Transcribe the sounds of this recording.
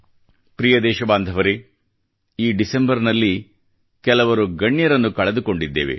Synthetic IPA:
pɾijɐd̪ɛːʃɐbaːnd̪ʱɐʋɐɾi | iːɖisembɐɾnɐlːi | kɛlɐʋɐɾuɡɐɳːjɐɾɐnːukɐɭɐd̪uko̞ɳɖid̪ːḛːʋḛ

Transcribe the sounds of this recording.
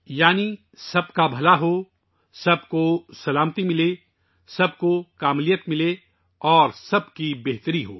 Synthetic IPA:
jaːni | sɐbkabʱɐlaɦo | sɐbkosɐlaːmt̪imɪle | sɐb̚kokaːmlijət̪mɪle | ɔːɾsɐbkibeɦt̪əɾiɦoː

